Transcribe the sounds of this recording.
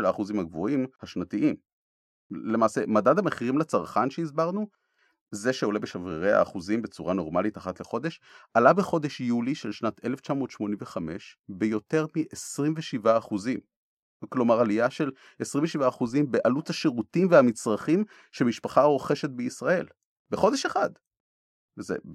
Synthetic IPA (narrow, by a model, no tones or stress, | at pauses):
elaːχuzimhaɡvoimhaʃnat̪iʔim | lemaːsemadad̪ameχiʁimlat͡saʁχanʃeizbaʁnu | ze̞ʃeo̞lebeʃaviʁea̰ːχuzimbe̞t͡suʁano̞ʁmalitaχat̪leχo̞d̪e̞ʃʔalabeχo̞d̪e̞ʃjuliʃe̞lʃnat̪ʰe̞left͡ʃamo̞ːt̪ʃmo̞nimveχame̞ʃbejo̞te̞ʁmiʔesʁimveʃivaːχuzim | klo̞maʁalijaʃe̞l | esʁimveʃivaːχuzimbeʔalut͡shaʃeʁutimveamit͡sʁaχim | ʃemiʃpaχaʁoχe̞ʃet̪̚beisʁae̞l | beχo̞d̪eʃeχad̪ | vezḛ